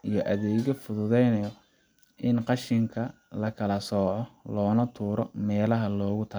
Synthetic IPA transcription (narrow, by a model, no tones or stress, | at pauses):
ijɞʔɐðɛːɣɔfʊðʊðɛjnɐjɔ | ʔɪnqɑʃɪŋkʰɐ | lɐkʰɐlɐsɔːʕɔlɔːnɐt̪ʰuːɾɔmɛːlɐɦɐlɔːɣʊt̪ʰɐ